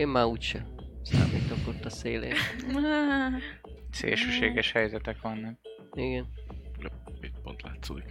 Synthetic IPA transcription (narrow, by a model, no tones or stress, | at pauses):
eːmmaːuːtʃɛsa̰ːmiːt̪okot̪ːɒseːlḛː | sḛːlʃøːʃeːɡɛʃhɛjzɛt̪ɛkʋɒnːɒk̚ | iɡɛn | it̪̚po̰nt̪la̰ːt̪so̰ːd̪ik